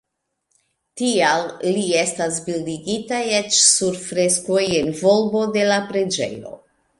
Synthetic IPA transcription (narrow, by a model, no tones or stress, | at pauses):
tialːie̞stasbildiɡitajet͡ʃsuɾfɾe̞sko̞jenvo̞lbo̞de̞lapɾe̞d͡ʒe̞̰jo̞̰